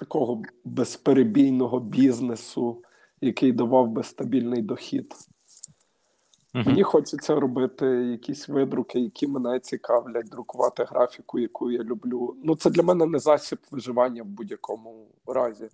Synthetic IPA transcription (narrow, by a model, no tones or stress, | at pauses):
t̪ɐkɔɦɔbespeɾebʲijnɔɦɔbʲiznesʊ | jɐkɪjd̪ɐʋɑwbesst̪ɐbʲilʲnɪjd̪ɔxʲid̪ | menʲixɔt͡ʃɐt͡sʲːɐɾɔbɪt̪ɪjɐkʲisʲʋɪd̪ɾʊkɪjɐkʲimenɛt͡sʲikɑwlʲɐt̚ʲd̪ɾʊkʊʋɑt̪ɪɦɾɑfʲikʊjɐkujjalʲublʲunut̪sɛd̪lʲɐmɛnɛnɛzɑsʲipʋɪʒɪʋɑnʲːɐwbudʲjɐkʰɔmʊ | ɾɑzʲi